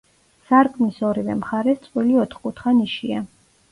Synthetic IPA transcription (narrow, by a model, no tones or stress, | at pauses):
saɾkʼmisɔɾivɛ̰mχaɾɛst̪sʼwiliɔt̪ʰχkʼut̪ʰχaniʃia